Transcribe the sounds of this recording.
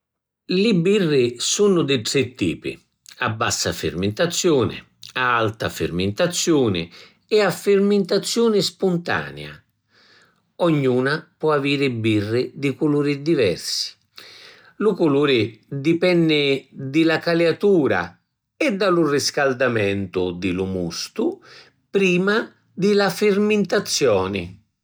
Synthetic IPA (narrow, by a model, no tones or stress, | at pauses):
lɪbirːɪsunʊd̪ɪʈɾɛt̪ːiːpɪ̰ | a̰bːasːa̰fɪ̰rmɪnt̪at̪sːjuːnɪ̰ | aalt̪a̰fɪ̰rmɪnt̪at̪sːjuːnɪ̰ | ɛafːɪrmɪnt̪at̪sːjuːnɪspunt̪a̰ːnɛ̰a̰ | ɔɲːuːnapwɔaviːɾɪbirːɪd̪ɪkʊluːɾɪd̪ivɛ̰rsi̥ | lʊkʊluːɾɪd̪ipɛnːɪd̪ɪlakaleat̪uːɾa̰ | ɛd̪ːalʊriskald̪amɛnt̪ʊd̪ɪlʊmust̪ʊ | pɾiːma | d̪ɪlafɪrmɪnt̪at̪sːjɔːnɪ̰